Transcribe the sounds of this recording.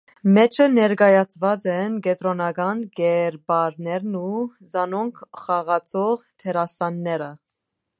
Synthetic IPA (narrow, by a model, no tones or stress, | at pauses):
mɛt͡ʃʰənɛɾɡɑjɑt͡sʰvɑt͡sɛnɡɛt̪ɾɔnɑɡɑnɡɛɾbɑɾnɛɾnu | zɑnɔŋkʰχɑʁɑt͡sʰɔʁt̪ʰɛɾɑsɑnːɛɾə